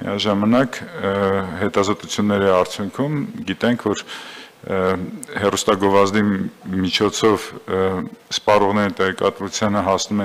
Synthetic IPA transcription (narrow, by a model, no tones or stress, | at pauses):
mḭɑʒɑmɑnɑk | hɛt̪ɑzɔt̪ut͡sʰjunːɛɾiɑɾt͡sʰjuŋkʰumɡit̪ɛŋkʰvɔɾ | hɛrust̪ɑɡɔvɑzd̪imit͡ʃʰɔt͡sʰɔv | spɑrɔʁnɛɾit̪ɛʁɛkɑt̪vut͡sʰjɑnəɦɑsnumɛ